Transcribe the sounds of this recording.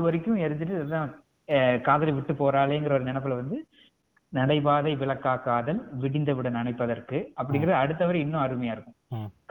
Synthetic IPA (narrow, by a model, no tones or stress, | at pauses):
ɐɯʋɐɾɪkːɯ̃ɛɾɯt̪ːɯʈ̬ːɯðãː | kaːðɐlɐɪʋɪʈːɯpoːɾaːleːŋɡɪɾɐɔɾɯnɪnɐpːɪlʋɐnd̪ɯ | nɐɽɐɪbaːðɐɪʋɪɭɐkːaːkaːðɐlʋɪɽɪnd̪ɐʋɪɽɐnɐnɐɪpːɐðɐɾkɯɐp̬ːɐɽɪŋɡɪɾɐðɐɽɯt̪ːɐʋɐɾɪnːʊ̃ɐɾɯmɐjaːɪɾɯkːɯ̃k